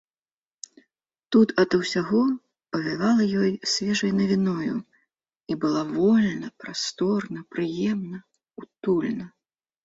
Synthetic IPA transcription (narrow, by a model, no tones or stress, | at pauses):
t̪ut̪ɐd̪ɐwsʲaɣɔ | pɐvʲivalˠɐjɔjsʲvʲɛʐɐjnɐvʲinɔjṵ | ibɨlˠavɔlʲnɐpɾast̪ɔrnɐpɾɨjɛmnɐ | ut̪ulʲnɐ